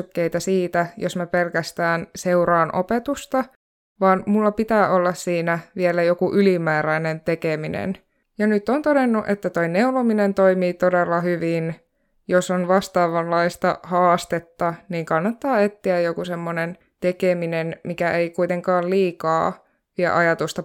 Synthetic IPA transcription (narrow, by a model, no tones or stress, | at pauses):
kːejt̪æsiːt̪æjo̰smæpelkæst̪æːnseuɾɑːnʔo̰pet̪ust̪ɑ | ʋɑːnmulːɑpit̪æːʔolːɑssiːnæʋielæjokuʔylimæːɾæinent̪ekeminḛn | jɑnyt̪ːont̪odenːuʔet̪ːæt̪oineulominent̪oimiːt̪odelːɑhyʋin | josonʋɑst̪ɑːʋɑlːɑist̪ɑhɑːst̪et̪ːɑniːŋkɑnːɑt̪ːɑːet̪ːiæjjokusemːonen | t̪ekeminenmikæʔeikuit̪eŋkɑːlliːkɑː | ʋiɛʔɑjɑt̪ust̪ɑ